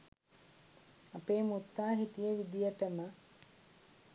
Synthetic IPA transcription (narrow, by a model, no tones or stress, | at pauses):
apeːmut̪ːaːɦit̪ijeʋid̪ijəʈəmə